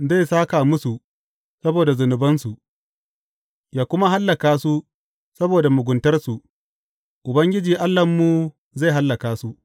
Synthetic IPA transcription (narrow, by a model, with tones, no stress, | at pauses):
za˦˨jsaː˦ka˨mʊ˦su˨ | sɐ˦boː˨da˨zʊ˨nʊ˨bɐ˦nsu˨ | jaː˦kʷʊ˦ma˦ɦa˦lːɐ˨kaː˦su˦ | sɐ˦boː˨da˨mʊ˨ɡʷʊ˨ntɐ˦rsu˨ | ʔʊ˨bɐ˦ŋɡʲɪ˦d͡ʒiː˨ʔa˦lːɐ˨mːu˨ | za˦˨ɦa˦lːɐ˨kaː˨su˦